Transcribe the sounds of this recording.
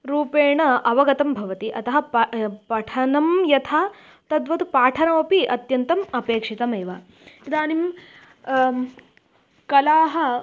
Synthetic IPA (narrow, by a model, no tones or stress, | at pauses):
ɾuːpeːɳɐʔɐʋɐɡɐt̪ɐmbʱɐʋɐt̪iʔɐt̪ɐɦɐpɐpɐʈʰɐnɐmjɐt̪ʰaː | t̪ɐd̪ʋɐt̪upaːʈʰɐnɐɐpiʔɐt̪jɐnt̪ɐmɐpeːkʂit̪ɐmeːʋa | id̪aːnim | kɐlaːɦɐ